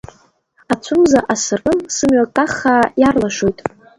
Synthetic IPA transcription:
at͡sʷʰʊmzaʔasɨrkʼɨnsɨmɥʷakʼaχaːjarlaʃojtʼ

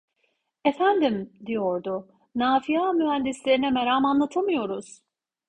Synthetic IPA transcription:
efænd̪imd̪ijoɾd̪ʊ | naːfijaːmyɦænd̪islʲeɾinɛmeɾaːmanlˠat̪ʰamɯjo̞ɾuz̥

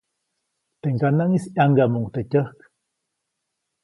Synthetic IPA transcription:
t̪eŋkanaŋisaŋɡamuŋt̪ecʲəhk

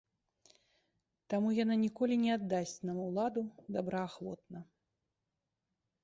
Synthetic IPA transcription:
t̪amujananʲikɔlʲinʲɛad̪ːasʲt͡sʲnɐmuwlˠad̪ud̪abɾɐːxvɔt̪̚nɐ

